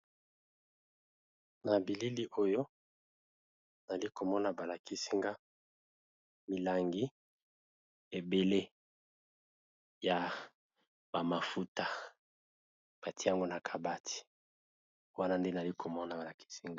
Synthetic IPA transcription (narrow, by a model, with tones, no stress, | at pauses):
na˨bi˨li˦li˦ʔo˦jo˦ | na˨li˦ko˨mɔ˦na˨ba˨la˨kʰi˦si˦ŋɡa˦ | mi˨la˨ŋɡi˦ | e˨be˨le˦ | ja˨ | ba˨ma˨fu˦ta˨ | b̥a˨ti˦ja˦ŋɡo˦na˨kʰa˨ba˦tʰi̥˨ | wa˦na˦nde˦n˨a˨li˦kʰo˨mɔ˦na˨a˨la˨ki̥˦si˦ŋɡa˦